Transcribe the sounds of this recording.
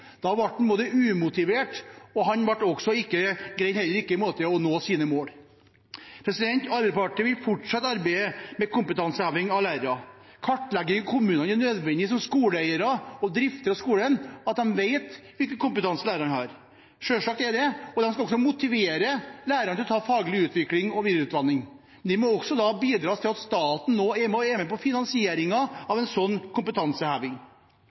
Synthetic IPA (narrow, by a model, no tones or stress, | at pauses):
d̪ɑʋɑʈ̚ːnboːd̪əʉːmʊt̪ɪʋeːʈɔɦɑnʋɑʈːɔɡsɔɪkːəɡɾæɪt̪hɛlːəɾɪkːəɪmoːt̪əɔnoːsiːnəmoːl | pʰɾɛsɪd̪ɛnt̪ɑɾbɛɪd̪spɑʈɪʋɪlfɔʈʂɑt̪ːɑɾbæɪəmɛkʊmpət̪ʰɑnsəæːʋɪŋɑʋlæɪɾəɾɑ | kʰɑʈːlɛɡəkʰʊmʉːnɑnɛnøːd̪ʋɛnd̪ɪsɔmskuːləæɪəɾɑɔd̪ɾɪft̪əɾɑskuːlənɑt̪̚d̪ɛnʋeɪt̪ʋɪlkəkʊmpət̪ɑnsəlæːɾɑnhɑɾ | ʂøːʂɑkɛɖ̪ɛɔd̪ɛnskɑɔksɔmʊt̪ɪʋeːɾəlæːɾəɳɪlɔt̪ʰɑːfɑːɡlɪʉːt̪ʋɪklɪŋɔʋiːd̪ɾʉːt̪ʋɑnːɪŋ | nd̪ɛmɔɔksɔd̪ɑbiːd̪ɾɑːst̪ʰɪlɑt̪st̪ɑːt̪n̩noːæmɔɛːmɛpɔfɪnɑnsɪeːɾɪŋɑɑʋɛnsɔnːkʰʊmpət̪ʰɑnsəhæːʋɪŋ